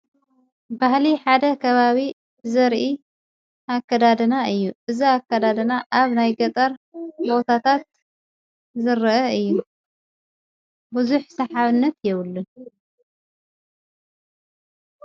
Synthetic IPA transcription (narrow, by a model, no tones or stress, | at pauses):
bahliħad̪ɐkʰɐβaβi | bɨzɐɾʔi | ʔakːɐd̪ad̪ɐnaɨjːuʔɨziakːɐd̪ad̪ɐnaʔaβnajɡɐt̪ʼɐɾbo̞t̪ʰat̪ʰat̪̚ | zɨɾɨʔɐɨjːu | buzuħsɐħaβɨnːɐt̪jɛβɨlːu